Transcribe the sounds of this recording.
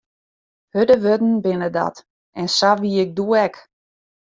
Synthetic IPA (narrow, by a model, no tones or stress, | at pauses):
hødəʋødn̩bɪnədɔ̰t | ɛnsaʋiɪɡ̚duɛk